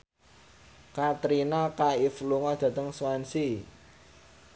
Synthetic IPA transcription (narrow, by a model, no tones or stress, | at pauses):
kat̪ɾinakaifluŋɔd̪̥ä̤t̪əŋswansi